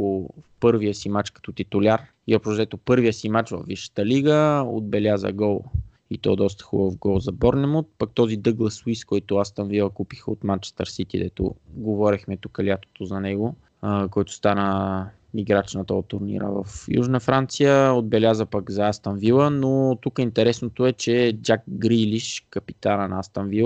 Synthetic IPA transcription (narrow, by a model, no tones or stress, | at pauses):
opɤɾvijəsimat͡ʃkɐ̥t̪ɔt̪it̪ʊlʲaɾ | iɔpʃzɛt̪opɤɾvijəsimat͡ʃvə̰fvːiʃə̥t̪əliɡəo̰d̪̚bɛlʲazə̰ɡɔlˠ | it̪ɔ̰ɛd̪ɔst̪ə̥xubfɡɔlˠzɐbɔɾnɛmot̪̚pək̚t̪ɔzid̪ɤɡlˠəsuiskɔjt̪ʊast̪ənvilˠəkupi̥xəot̪mant͡ʃɛ̥st̪ə̰ɾsit̪id̪ɛt̪o̰ɡovɔɾixmɛt̪ukəlʲat̪o̥t̪ozɐnɛɡo | kɔjt̪ʊ̥st̪anə | miɡɾat͡ʃnət̪əot̪ːʊɾnḭɾə̰və̰fjṵʒnəfɾant̪sijəod̪̚bɛlʲjazəpɐɡzɐast̪ɐnvilˠənot̪ukəint̪ɛɾɛsnot̪oɛt͡ʃɛd͡ʒak̚ɡɾiliʃkɐpi̥t̪anənast̪ɐnvilˠ